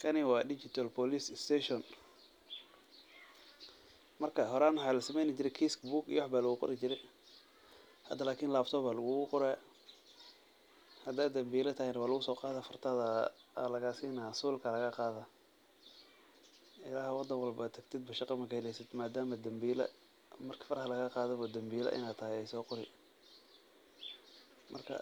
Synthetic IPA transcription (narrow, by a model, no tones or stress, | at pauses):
kʰɐnɪwɑːdɪt͡ʃɪt̪ʰɐlpʰɔlisst̪ʰɛʃɔn | mɐrkʰɐɦɔɾaːnwɑħɑːlɐsɐmɛjnɪt͡ʃɪɾɛjkʰiskbuːɡḭjwħbaːlɐɣʊqɔ̰ɾɪt͡ʃɪɾɛj | hɐ̰d̪ɐlaːkʰiːnlaːbt̪ʰɔβaːlɐɣʊɣʊqɔɾɛː | hɐd̪aːɐmbiːlɐt̪ʰɐhɪjnɐwaːlʊɣʊsɔːqɑːðafɐrt̪ʰaðɐlɐɣaːsiːnasuːlkʰɐlɐɣɐqɑːðɐ | ʔɪlaːhwɑd̪ɐŋwɑlbɐt̪ʰɐɡt̪ʰɪd̪̚bɐʃɑqɑmɐkʰɐhɛlɛjsɪd̪maːd̪aːmɐd̪ɐmbiːlɐ̰ | mɐrkʰi̥fɐrhɐlɐɣqɑːðɛβɐd̪ɐmbiːlɐ̰ʔɪ̰naːt̪ʰɐɦɛjɛjsɔːqɔɾɪ | mʔɐ̰rkʰɐ̰